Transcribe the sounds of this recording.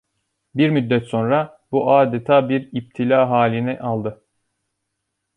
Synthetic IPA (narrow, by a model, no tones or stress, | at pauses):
biɾmyd̪ːɛt̪so̞nɾa | buʔaːd̪et̪ʰabiɾip̚t̪ʰilʲaːɦaːlʲinɛʔalˠd̪ɯ